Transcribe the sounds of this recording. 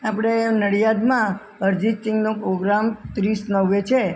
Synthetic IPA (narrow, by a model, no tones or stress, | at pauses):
apɽ̃enəɽjad̪mã | əɾd͡ʒisʈɪŋɡnopɾoɡɾamt̪ɾisnəʋːet͡ʃʰe